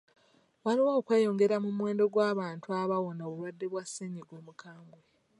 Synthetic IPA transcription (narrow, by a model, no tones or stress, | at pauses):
walowaokweːjo̞ŋɡe̞ɾamumwe̞ːndo̞ɡwaːβaːntuaβawo̞naβulwadːe̞βwaseɲiɡoːmukʰaːmbwe